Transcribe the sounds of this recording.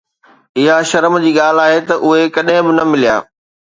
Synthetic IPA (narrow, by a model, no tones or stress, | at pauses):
ɪɦaʃɐɾəmd͡ʑiːɠaːl̤aːɦet̪ɐʔʊɦekɐɗɦɪ̃bɪnɐmɪlija̰ː